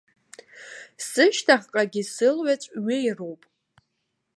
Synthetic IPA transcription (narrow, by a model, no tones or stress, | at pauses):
sɨʃtʰaχqʼaɡʲisɨlɥat͡sʷʼɥɪjrowpʼ